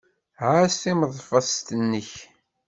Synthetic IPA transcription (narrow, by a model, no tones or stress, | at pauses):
ʕasθiməðˤfɑst̪ənːəç